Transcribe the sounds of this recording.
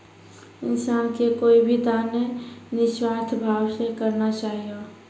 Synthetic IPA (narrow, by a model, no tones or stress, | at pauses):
ɪnsaːnkekoːibʱit̪anenɪʃwaːst̪ʰbʱaːwsekəɾnat͡ʃaːɦijo